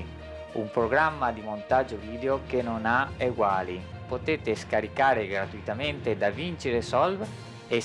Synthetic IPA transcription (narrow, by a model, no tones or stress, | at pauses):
ṵmpɾoɡɾamːad̪imont̪ad͡ʒoviːd̪eokenonaeɡwaːli | pot̪eːt̪eskaɾikaːɾeɡɾat̪uit̪ament̪ed̪avint͡ʃeɾesɔlv | e